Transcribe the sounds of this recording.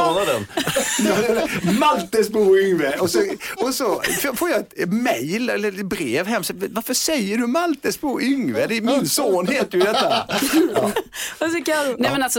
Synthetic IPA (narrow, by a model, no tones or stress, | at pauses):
ɑɾad̪ɛnjɑːd̪ɛmalt̪əsbuːʏŋvəʔɔsɔɔsɔffoːjaɛt̪mɛjlɛlːəɾɛbɾeːvɦɛmːsɛvaɾfəsɛjːəɖɵmalt̪əsbuːʔʏŋvəd̪ɛmɪnsoːnheːt̪əɾjʉd̪ɛt̪ːaɑːɔsɔkanɛmɛnalsɔ